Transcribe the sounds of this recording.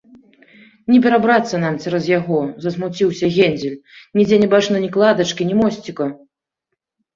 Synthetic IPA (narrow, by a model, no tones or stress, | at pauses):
nʲɛpʲɛɾabɾat̪sːɐnamt͡sʲɛɾɐzjaɣɔzɐsmut͡sʲiwsʲɐɣʲenʲd͡zʲɛlʲnʲid͡zʲɛnʲɛbat͡ʂnɨnʲiklˠad̪ɐt͡ʂkʲinʲimɔsʲt͡sʲikɐ